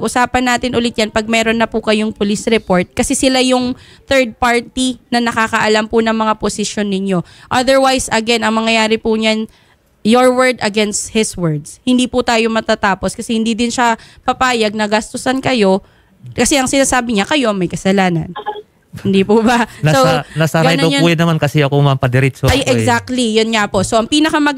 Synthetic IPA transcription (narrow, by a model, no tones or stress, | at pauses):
pɡʔʊsaːpɐnːaːt̪ɪnʔʊlɪt̪̚janpɐɡ̚mɛːɾonːɐpʊkɐjoŋpʊlisɾɛpo̞ɹt̪̚kɐsɛsɪlajʊŋθɛɹd̪̚paɹt̪inɐnɐkakɐʔɐlampʊnɐŋmɐŋaposɪʃjo̞nːɪɲo̞ | ʔɐd̪ɛɹwajsɐɡɛnɐŋmɐŋɐjaːɾɪpʊɲan | joɹwɛɹd̪ɐɡɛnst̪̚hɪswɛɹd̪shɪnd̪iːpʊt̪aːjomɐt̪at̪aːpo̞skɐsɛhɪnd̪iːd̪ɪnʃapɐpaːjɐɡ̚nɐɡɐst̪ʊsɐnkɐjo̞ | kɐsɛʔɐŋsɪnaːsaːbɪɲakɐjo̞mɐjkɐsɐlaːnɐ̰n | hɪnd̪iːpubɐnanasɐɾɡaɐjnɐjuːjɐnɐmankɐsɛɐkomɐmpɐd̪ɛɾit̪soʔɛɡzak̚t̪lijonŋapo̞soʔɐŋpiːnɐkɐmɐɡ